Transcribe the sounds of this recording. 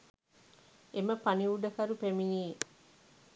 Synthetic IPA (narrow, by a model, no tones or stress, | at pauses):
eməpɐniuɖəkɐɾupeminiː